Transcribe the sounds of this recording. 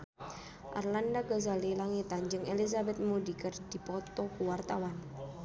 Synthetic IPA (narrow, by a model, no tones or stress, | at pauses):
ʔa̰rlandaɡɔzalilaŋit̪and͡ʒɨŋelizabɛt̪̚mudikərd̥i̤pɔt̪ɔkuwart̪awan